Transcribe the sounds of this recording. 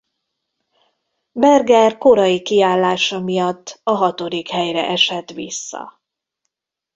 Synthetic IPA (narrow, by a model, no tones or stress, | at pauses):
bɛrɡɛrko̞ɾɒjikiaːlːaːʃɒmijɒt̪ːɒɦɒt̪o̞d̪ikhɛjrɛ̰ʔɛʃɛt̪ʋḭsːɒ̰